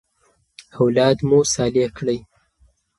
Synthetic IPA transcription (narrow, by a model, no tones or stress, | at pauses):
hawlɑd̪musɑlekɽəj